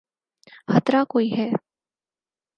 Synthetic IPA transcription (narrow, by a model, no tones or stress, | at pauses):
hət̪ɾakoːiɦɛː